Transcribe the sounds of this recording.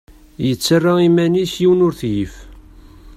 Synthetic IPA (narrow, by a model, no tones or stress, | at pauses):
jət͡sːərˤːaimænisjiwənʊɾθjif